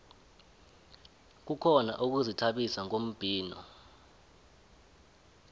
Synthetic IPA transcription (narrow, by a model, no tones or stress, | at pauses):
k̬ukʰɔna̰ʔuk̬uzitʰaɓisaŋom̩b̥ʱiːnɔ̰